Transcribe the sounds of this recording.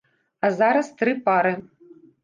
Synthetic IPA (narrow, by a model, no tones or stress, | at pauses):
ɐzaɾɐst̪ɾɨpaɾɨ